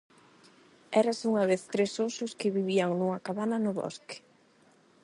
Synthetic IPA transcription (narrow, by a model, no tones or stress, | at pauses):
ɛɾasuŋɐβeθt̪ɾesosʊskɪβiβiaŋnuŋakaβanɐnʊβɔ̰ske̥